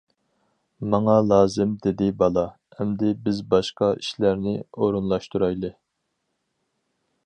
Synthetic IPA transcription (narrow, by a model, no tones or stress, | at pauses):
mɑŋɑlˠɑːzɪmd̪ɪd̪ɪbɑlˠɑ | ɛmd̪ɪbɪzbɑʃqɑiʃlæɾnɪ̰oɾunlˠɑʃt̪uɾɑjlˠɨ